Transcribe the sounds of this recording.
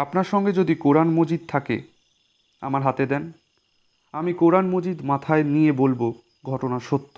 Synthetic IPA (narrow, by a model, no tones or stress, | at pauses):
apnaɾʃɔŋɡed͡ʑod̪ikoɾanmod͡ʑid̪̚t̪ʰakḛ | a̰maɾɦat̪ed̪ɛn | amikoɾanmod͡ʑid̪mat̪ʰaenijebolbo | ɡʱɔʈonaʃot̪ːo